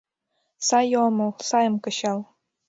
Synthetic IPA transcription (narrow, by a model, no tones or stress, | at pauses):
sɑjomɤlsɑjɤ̆mkɤ̆ɕɑl